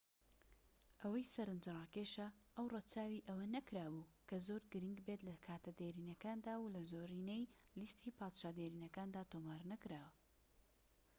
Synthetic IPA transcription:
ʔɐwɐjsɐɾɨnd͡ʒɨrˤɑːkeʃɐʔɐwrɐt͡ʃʰaːwiʔɐwɐnɐkɾaːbuːkʰɐzoːɾɡɨɾiŋɡbet̪lɐkʰaːt̪ʰɐd̪eːɾiːnɐkaːnd̪aːwlɐzoːɾiːnejlist̪ʰiːpʰaːd̪ʃaːd̪eːɾiːnɐkaːnd̪aːt̪oːmaːɾnɐkɨɾaːwɐ

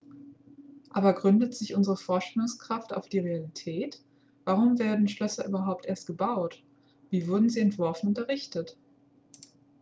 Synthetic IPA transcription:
ʔaːbɐɡʁʏndətz̥ɪçʔʊnzəʁəfɔɐʃtɛlʊŋskʁ̥afta̰ʊfd̥iːʁealitʰɛːt | v̥aʁ̞ʊmveːɐdn̩ʃlœsɐʔyːbɐɦaʊp̚tʔeːɐst̚ɡ̥əbaʊt | v̥iːvʊɐdn̩ziːɛntv̥ɔɐfn̩ʊntɐʁɪçtət

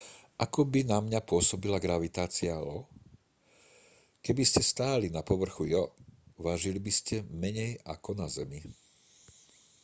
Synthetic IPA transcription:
ʔakɔbinamɲapʊɔsɔbilaɡɾaʋit̪aːt͡sialɔ | kɛbiscɛst̪aːlinapɔʋr̩xujɔʋaʒilibiscɛmɛɲɛja̰kɔnazɛmi

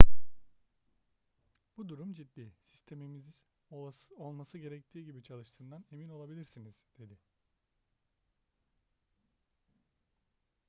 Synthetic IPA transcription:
b̥ud̪uɾumd͡ʒid̪ːiːsi̥st̪ʰe̞mimiz | o̞lˠmasɯɟe̞ɾɛct̪ʰiːɟibit͡ʃʰalˠɯʃt̪ʰɯːnd̪ane̞mino̞lˠabilʲiɾsiniz̥d̪̥e̞d̪ɪ

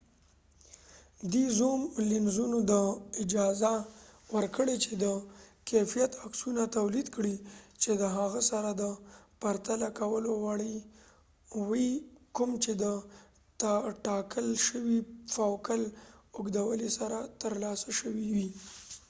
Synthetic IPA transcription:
d̪izomlɪnzunod̪əɪd͡ʒɑzawəɾkəɽet͡ʃed̪əkefijat̪aksunat̪awlid̪kɽit͡ʃed̪əɦaɣasaɾad̪əpaɾt̪alakawəlowaɽi | wikʊmt͡ʃed̪ə | t̪aʈɑkəlʃəwifawkəlʊɡd̪awəlisaɾat̪əɾlɑsaʃəwiwi

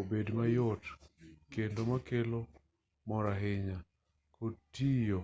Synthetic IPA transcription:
obedmajɔtkendomakelo | mɔɾaɦɪɲa | kotijo

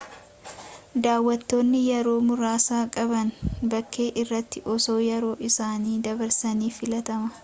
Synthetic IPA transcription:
d̪aːwːɐt̪ːo̞ːnːɪjɛɾo̞ːmʊɾaːsaːkʼɐbɐnbɐkʰːeːʔɪrːɐt̪ːɪʔɔso̞ːjɛɾo̞ːʔɪsaːniːd̪ɐbɐɾsɐniːfɪlɐt̪ɐmɐ

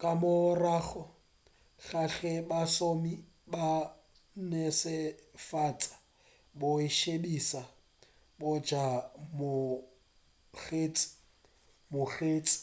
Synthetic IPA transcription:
kʼamʊraːχɔ | ɣaɬɛbasomi | ba | nesɪfat͡sʼḁ | bʊɪʃebisa | bʊd͡ʒamʊ | χeːt͡sʼɪ̥ | mʊχeːt͡sʼɪ̥

